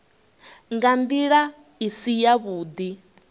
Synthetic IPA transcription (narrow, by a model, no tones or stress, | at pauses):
ŋɡand̪iɺa | isijaβuːd̪i